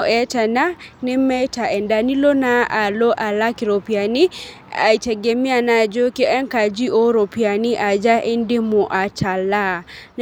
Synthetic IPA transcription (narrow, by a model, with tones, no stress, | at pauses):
ʔɛ˨˦ta˨na˦ne˦mɛ˦ta˨ɛ˨nda˨ni˦lo˦na˦a˨lo˦ʔa˨la˦ki˨ɾo˨pi˨a˨ni˦ | a̰˨i˨tɛ˨ɡe˨mi˦a˨na˨d͡ʒo˦ke˦ʔɛ˦ŋka˨d͡ʒi˦o˦ɾo˨pi˨a˨ni˦ʔa˨d͡ʒa˦ʔe˦nde˦mo˨ʔa˨t͡ʃa˨la˦˨